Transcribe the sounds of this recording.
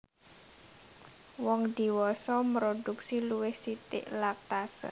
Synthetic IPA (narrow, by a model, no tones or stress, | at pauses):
wɔŋd̪̥i̤wɔsɔmɾoduksiluwɪhsit̪ɪ̰ʔlak̚t̪asə̰